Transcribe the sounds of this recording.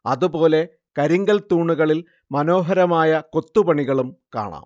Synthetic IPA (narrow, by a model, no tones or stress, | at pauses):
ɐðupo̞ːle̞ | kɐɾiŋɡɐlt̪uːɳːuɣɐɭil | mɐno̞ːɦɐɾɐmaːjɐko̞t̪ːupɐɳiɣɐɭumka̰ːɳa̰ːm